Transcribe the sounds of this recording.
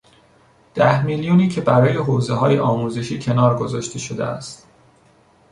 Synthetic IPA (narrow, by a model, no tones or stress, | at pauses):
d̪̥æhmiljuːniːcʰe̞bæɾɒːje̞ɦoːze̞ɦɒːjeʔɒːmuːze̞ʃiːcʰe̞nɒːɾɡo̞zɒːʃt̪e̞ʃo̞d̪e̞̰æ̰st̪